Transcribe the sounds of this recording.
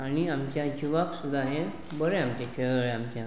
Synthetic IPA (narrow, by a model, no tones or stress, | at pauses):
aɽ̃iamt͡ɕjad͡ʑuʋaksud̪ʱːaɦẽ | bəɾeamt͡ɕekʰeɭɡɭeamt͡ɕjã